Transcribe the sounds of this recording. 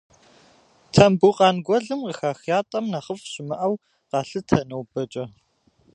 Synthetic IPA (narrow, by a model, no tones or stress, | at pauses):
tʰɐmbuqɑːnɡʷɔɮɨmqəxaːxjaːtʼɐmnɐχəfɕɪmɐʔɐw | qɑːɬɨtʰɐnɐwbɐt͡ʃʼɐ